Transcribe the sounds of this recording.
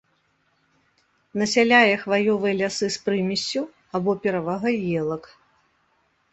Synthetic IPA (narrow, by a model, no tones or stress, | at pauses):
nɐsʲalʲajɛxvajɔvɨjɛlʲasɨspɾɨmʲisʲt͡sʲːu | abɔpʲɛɾɐvaɣɐjɛlˠɐk